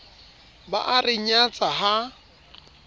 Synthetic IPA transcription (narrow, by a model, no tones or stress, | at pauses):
ba̰ʔarɪɲat͡sʼaɦa